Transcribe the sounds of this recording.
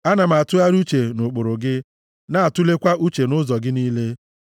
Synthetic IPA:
a˦na˨m̩˨a˨tʊ˦a˦ɾu˦t͡ʃe˨nʊ˨k͡pʊ˨ɾʊ˨ɡɪ˦ | na˨a˨tʊ˦le˦kʷa˦ʔu˦t͡ʃe˨nʊ˦zɔ˨ɡɪ˦niː˦le˦

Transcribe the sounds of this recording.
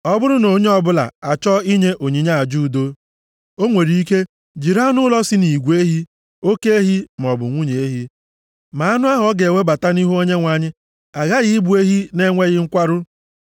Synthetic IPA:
ɔ˦bʊ˦ɾʊ˦no˨˦ɲe˦ɔ˦bʊ˦la̰˨a˨t͡ʃɔ˦i˦ɲe˦ʔo˨ɲi˨ɲa˦a˨d͡ʒu˦˨do˦ | o˦ŋʷe˨ɾi˨i˦ke˦ | d͡ʒi˨ɾa˦nʊ˦lɔ˦si˦ni˨ɡʷe˦ɦi˦ | o˦ke˦e˦ɦi˦m˨ɔ˨bʊ̰˨ŋʷu˦ɲe˨e˦ɦi˦ | ma˨a˦nʊ˦a˦ɦɔ˦ɡe˨e˨we˦ba˨ta˦ni˦ɦu˦o˦ɲe˦ŋʷa˨ɲɪ˦ | a˨ɣa˦ɣɪ˦bu˨e˦ɦi˦ne˦ŋʷe˦ɣɪ˦ŋ̩˦kʷa˦ɾʊ˦

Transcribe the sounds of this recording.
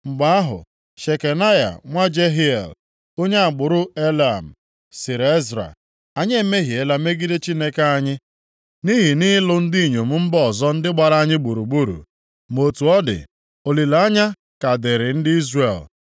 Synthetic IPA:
ŋ͡m̩˨ɡ͡ba˨a˦ɦʊ̰˨ | ʃe˨ke˨na˦ja̰˨ŋʷa˦d͡ʒe˦ɦi˦ḛ˨l | o˦ɲe˦a˨ɡ͡bʊ˨ɾʊ˦e˦la̰˨m̩˨ | sɪ˨ɾe˦zɾa̰˨ | a˨ɲe˦me˦ɦi˨e˦la˦me˦ɡi˦de˦t͡ʃi˦ne˦ke˦a˦ɲɪ˦ | ni˦ɦi˨ni˦lʊ˦n̩˦dɪ˦i˨ɲo˨m̩˦m̩˦bɔ˨zɔ˦n̩˦dɪ˦ɡ͡ba˨ɾa˦a˦ɲɪ˦ɡ͡bu˨ɾu˨ɡ͡bu˦ɾṵ˨ | m˨o˨tu˨ɔ˦dɪ̰˨ | o˨li˨la˨a˦ɲa˦ | ka˨de˨ɾɪ˨n̩˦dɪ˦i˦zre˨l

